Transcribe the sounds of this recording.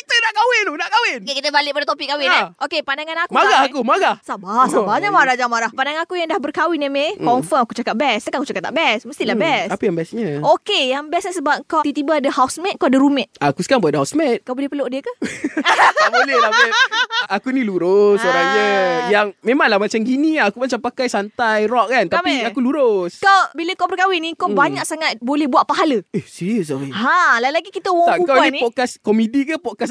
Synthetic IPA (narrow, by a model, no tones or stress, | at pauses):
kit̪ənaʔkawɪnunaʔkawɪnkekit̪əbalɪʔpadat̪opiʔkːawɪnaokepandaŋanakumaɡahakumaɡahsabasabaɲamaɾad͡ʒaŋmaɾahpandaŋnakujaŋdahbərkawɪnamekɔnfəmakut͡ʃakaʔ̚bɛskaʔakut͡ʃakat̪aʔbɛsməst̪ilahbɛsapəjaŋbɛsɲaokejaŋbɛsɲəsəbap̚kaw̪it̪ibaadəhawsmɛt̪̚kawadəɾumɛʔakusəkaŋbadɦawsmɛt̪̚kabodiəpəloʔdiəkə | aʔbolɛlabɛtakunĩluɾʊsoɾaɲəjaŋmemaŋlahmat͡ʃamɡinĩakumat͡ʃampakajsant̪ajrɔʔ̚kant̪amiakuluɾʊskawbiləkabərkawɪnĩkabaɲak̚saŋat̪̚bolɛhbuat̪ʔ̚paɦaləehsiɾios̬aweɦãlalaɡikit̪əwɔakawninĩpɔkaskomidikəpɔkas